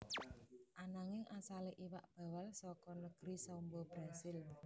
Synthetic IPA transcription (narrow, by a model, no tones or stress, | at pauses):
ʔanaŋɪŋʔasaleʔiwaʔb̥a̤walsɔkɔnəɡ̥ɾisaumbɔb̥ɾasɪl